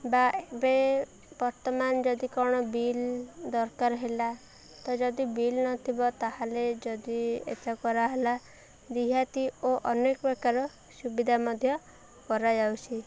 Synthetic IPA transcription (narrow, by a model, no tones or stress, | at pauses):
baebe | bɔɾt̪ɔmand͡ʒɔd̪ikɔɽ̃ɔbild̪ɔɾkaɾɦela | t̪ɔd͡ʒɔd̪ibilnɔt̪ʰibɔt̪aɦaled͡ʒɔd̪iḛt̪akɔɾaɦela | d̪iɦat̪ioʔɔnekɔbekaɾɔ | subid̪ʱamɔd̪ʱjɔ | kɔɾad͡ʒawt͡ʃʰi